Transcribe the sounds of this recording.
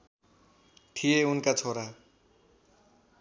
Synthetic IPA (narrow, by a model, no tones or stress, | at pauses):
ʈʰijeunkat͡sʰoɾa